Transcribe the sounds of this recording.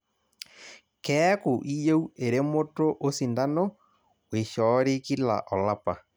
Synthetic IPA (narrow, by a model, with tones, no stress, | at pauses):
kɛ˦ko˨ʔi˦je˦u˦e˨ɾe˦mo˦to˦ʔo˦si˨nda˦no˦ | we˨ʃɔ˨˦ɾe˦ki˦la̰˨ʔɔ˨la˦pa˨